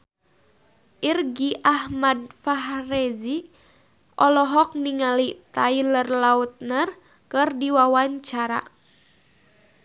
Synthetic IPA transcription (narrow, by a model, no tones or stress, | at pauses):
ʔirɡiʔahmad̚faɦrezi | ʔɔlɔɦɔk̚niŋalit̪ailərlaut̪̚nər | kɨrdiwawaɲt͡ʃaɾa̰